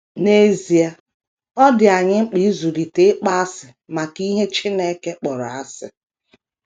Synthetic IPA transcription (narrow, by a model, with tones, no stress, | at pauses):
ne˦zi˨a˨ | ɔ˦dɪ˨a˨ɲɪ˦ŋ͡m̩˦k͡pi˦zu˨ɾi˨te˦k͡pa˦a˦sɪ˨ | ma˨ki˦ɦe˦t͡ʃɪ˦ne˦ke˦k͡pɔ˨ɾɔ˨a˦sɪ̰˨